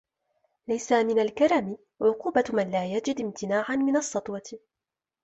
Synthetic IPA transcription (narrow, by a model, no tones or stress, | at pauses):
lajsamɪnalkaɾˤɑmɪ | ʕʊquːbamanlaːjad͡ʒɪd̪ɪmt̪ɪnaːʕanmɪnɑsˤːɑt̪ˤwɑt̪